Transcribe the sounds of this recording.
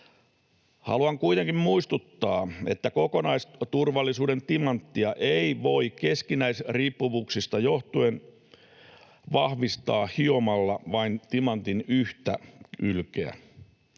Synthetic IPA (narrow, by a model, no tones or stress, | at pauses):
hɑ̰luɑŋkuit̪eŋkimmuist̪ut̪ːɑːe̞̰t̪ːæko̞ko̞nɑist̪urʋɑlːisuːde̞nt̪imɑnt̪ːiɑʔeiʋo̞ike̞skinæisriːpːuʋuːksist̪ɑjo̞ht̪uen | ʋɑhʋist̪ɑːhio̞mɑlːɑʋɑint̪imɑnt̪inyht̪æylkeæ̰